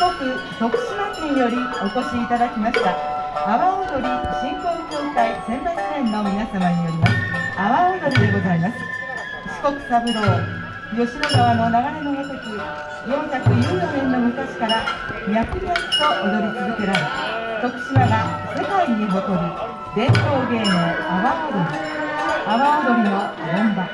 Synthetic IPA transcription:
ko̞kɯ̟ | t̪o̞kɯ̟̥ɕimakĩɰ̃jo̞ɾʲio̞ko̞ɕiːt̪ad̪akʲimaɕi̥t̪aaβaod̪o̞ɾʲiɕĩŋkõŋkʲo̞ːkaisẽ̞nt̪aikiẽ̞nːo̞mʲinasamaɲ̟ioɾʲimasɨ̥aβaod̪o̞ɾʲid̪e̞ɡo̞zaimasɨ̥ | ɕi̥ko̞kɯ̟̥t̪abɯ̟ɾo̞ː | jo̞ɕiɾonoβano̞naɡaɾe̞no̞jat̪oki | jõ̞ɰ̃çakɯ̟joːjoɦẽ̞nːo̞mɯ̟kaɕi̥kaɾaɲʲakɯ̟ɡʲakɯ̥t̪o̞ʔod̪o̞ɾʲit͡sɨzɨke̞ɾaɾet̪okɯ̟̥ɕimaɡa | se̞kaiɲ̟iɦo̞k̪o̞ɾɯ̟ | d̪ẽ̞nt̪o̞ːɡe̞ːnoaβaod̪oɾʲi | aβaod̪o̞ɾʲino̞ | d̪ãmba

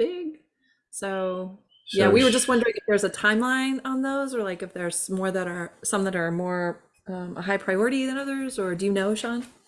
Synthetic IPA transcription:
b̥ɪɡ̥̚ | soʊ | jæwiwəd͡ʒʌstwʌ̃ndə˞ɪ̃ŋɨfðə˞zɨtʰãɪ̃mlãɪ̃nə̃nðoʊzə˞laɪkɨfðə˞z̥mɔɹðɨɾə˞sʌ̃mðɨɾə˞mɔɹ | ʌ̃mʔə̰ɦaɪpʰɹ̥aɪɔɹɨɾiðɨ̃nʌðə˞zə˞dɨjɨnoʊɨʃɑ̃n

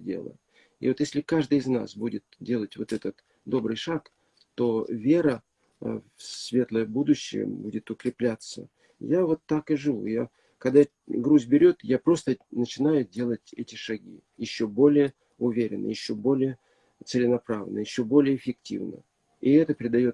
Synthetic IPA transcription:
dʲḛlˠə̰ | ɪ̰vot̪jesʲlʲɪkaʐd̪ɨjɪzna̰sbudʲɪt̪̚dʲe̞lˠətʲvo̞t̪ɛt̪ət̪ | d̪o̞bɾɨjʂak | t̪o̞vʲe̞ɾə | fsvʲe̞t̪lˠəjəbud̪ʊɕːɪ̰jə̰budʲɪt̪ʊkɾʲɪplʲat̪sə̰ | javo̞t̪ːakɨʐɨvṵja | kɐɡd̪a | ɡɾuzʲbʲɪɾʲo̞t̪japɾo̞st̪ənət͡ɕɪnajʊdʲe̞lˠətʲɛtʲɪʂɐɡʲḭ | jɪɕːo̞bo̞lʲɪjə | ʊvʲeɾʲɪ̰nːə̰jɪɕːobo̞lʲɪjə | t̪sɪlʲɪnɐpɾavə̰nəjɪɕːobo̞lʲɪjəːfʲɪk̚tʲḭvnə̰ | iɪɛt̪əpɾʲɪd̪ɐjo̞t̪

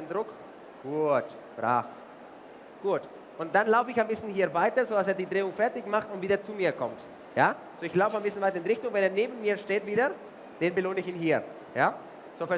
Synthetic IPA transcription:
ndʁʊk | ɡ̥uːt | b̥ʁa̰ːf | ɡ̥uːt | ʔʊnt̚d̥anlaʊfəɪçaɪnbɪsn̩hiːɐvaɪtɐzoːdas̬eːɐdiːdʁeːʊŋfɛɐtɪçmaχtʊntv̥iːdɐt͡sumiːɐkʰɔmt | jaː | zoːɪçlaʊfəaɪnbɪsn̩vaɪtɐɪnʁɪçtʊŋvɛneːɐneːbn̩miːɐʃteːtviːdɐ | d̥eːnbəloːnəɪçiːnɦiːɐ | jaː | z̥oːfɛɐ

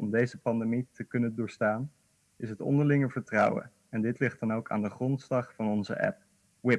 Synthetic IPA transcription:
ɔmdejzəpɑndemitəkɵnəndʊːɹstaːn | ɪsɦətɔ̰ndəɹlɪŋəvəɹtrʌwə̰ | ɛndɪtlɪχtdɑnowka̰ːndəχrɔntslɑχfɑnɔnzə̰ʔɛ̰p̚ | wɪ

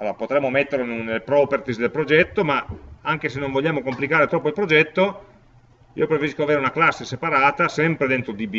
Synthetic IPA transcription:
a̰lːoːɾapot̪ɾɛmːomet̪ːeɾlonnelːepɾɔpert̪isd̪elpɾod͡ʒɛt̪ːomaaŋk̟esenːõɱvoʎːaːmokomplikaːɾet̪ɾɔːpːoilpɾod͡ʒɛt̪ːo | ḭːopɾefeɾiskoaveːɾeunaklasːesepaɾaːt̪asɛmpɾed̪ent̪ɾod̪ibi

